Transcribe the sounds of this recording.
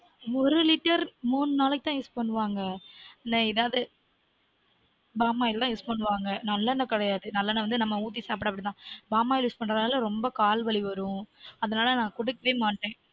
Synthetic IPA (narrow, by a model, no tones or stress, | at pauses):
ɔɾɯlɪʈːɐɾmuːnɯnaːlɐkːɯt̪ãːjuːspɐɳːɯʋaːŋɡɐnɐɪðaːðɯ | baːmaːjɪlt̪ãːjuːspɐɳːɯʋaːŋɡɐnɐlːɐnɐkɪɽɐjaːðɯnɐlːɐnːɐʋɐnd̪ɯnɐmːɐuːt̪̬ːisaːp̬ɪʈɐpɐɽit̪ãːbaːmaːjɪljuːspɐɳɾɐðnaːlɐɾɔmbɐkaːlʋɐɭiʋɐɾʊ̃ɐðɐnaːlɐnãːkʊɽɯkːɐʋeːmaːʈːẽː